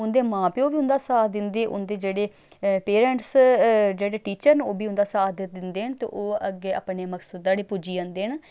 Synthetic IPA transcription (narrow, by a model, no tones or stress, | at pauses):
ʊnd̪eːmãːpeːoːʋiːʊnd̪aːsaːd̪ɪnd̪eːʔʊ̰nd̪eːd͡ʒeːɽeː | peːɾɛɳʈsd͡ʒeːɽeːʈiːt͡ʃəɾnoːbiːʊnd̪aːsaːd̪d̪ɪnd̪eːɦənt̪ḛːʔoːəɡːeːa̰ːpneːməksəd̪ːaːɽiːpuːd͡ʒiːə̃nd̪eːən